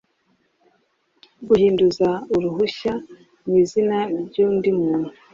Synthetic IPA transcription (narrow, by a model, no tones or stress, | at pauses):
ɡuhiːnduzauɾuɦuʃa | mwiːzinanibɟuːndimuːnhu